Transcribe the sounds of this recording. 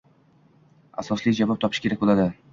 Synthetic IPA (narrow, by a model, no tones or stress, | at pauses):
asɒslɪd͡ʒavɒp̚t̪ʰɒpʰɪ̥ʃkʲe̞ɾakʲbolad̪ɪ